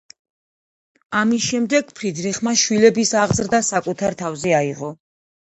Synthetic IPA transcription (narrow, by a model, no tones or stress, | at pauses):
amisʃɛmd̪ɛɡ̚pʰɾid̪niχmaʃwilɛbisaʁzɾd̪asakʼut̪ʰaɾt̪ʰavzɛaiʁɔ